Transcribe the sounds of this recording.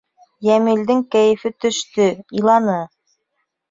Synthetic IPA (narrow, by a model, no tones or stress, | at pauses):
jæmild̪ɘŋkæjɘ̆fɘt̪ɵ̆ʃt̪ɵilˠɑnɤ